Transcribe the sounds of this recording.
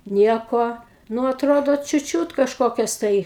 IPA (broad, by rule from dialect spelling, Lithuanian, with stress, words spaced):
ˈnʲiɛkoː ˈnʊ ɐtˈroːdoː t͡ʃʲʊt ˈt͡ʃʲuːt kɐʃˈkoːkʲɛs tɐɪ